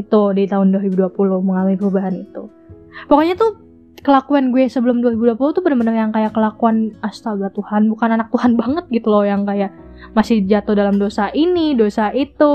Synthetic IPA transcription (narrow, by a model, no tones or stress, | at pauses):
t̪udit̪aɦʊnduaɾibuduapuluhməŋalamipəɾubaɦanit̪u | pakoɲat̪u | kəlakuanɡuɛsəbəlʊmduaɾibuduapuluht̪ubənamənəŋjaŋkajakəlakuanast̪abat̪uhanbukananak̚t̪uhanbaŋət̪̚ɡit̪ulɔjaŋkajaʔ | masɪhd͡ʒat̪odalamdosaʔinidosaʔit̪u